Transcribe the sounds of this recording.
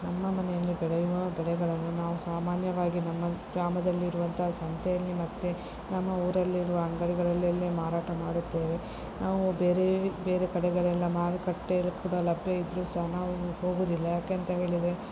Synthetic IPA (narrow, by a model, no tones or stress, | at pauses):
nɐmːɐmɐnɛjɐlːibɛɭɛjuʋɐbɛɭɛɡɐɭɐnːunaːʋusaːmaːnjɐʋaːɡinɐmːɐɡɾaːmɐd̪ɐlːiːɾuʋɐnt̪ʰɐɦaːsɐnt̪ʰejɐlːimɐt̪ːe̞ | nɐmːɐuːɾɐlːiːɾuʋɐɐŋɡɐɾiɡɐɭɐlːɐlːemaːɾaːʈɐmaːɽut̪ːeːʋe | naːʋubeːɾebe̞ːɾekɐɽɛɡɐɭɛlːɐmaːɾikɐʈːelukuːɽɐlɐbʱjɐid̪ɾuːsɐɦnaːʋuho̞ːɡuːd̪ilːɐjaːkeɐnt̪ɐɦe̞ːɭid̪e